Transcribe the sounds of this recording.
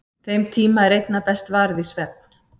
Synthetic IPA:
fejmt̪ʰiːmaɛɾejt̪napɛst̪vaːɾðisvɛp̚n̥

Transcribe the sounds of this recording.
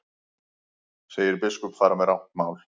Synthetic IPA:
seːjɪɾpɪskɔpfaːɾamɛðɾawn̥t̪maːwl̥

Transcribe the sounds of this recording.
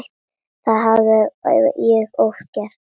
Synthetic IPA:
xt̪ | θaðɦaðɪjɛɣowfcɛɾ̥t̪

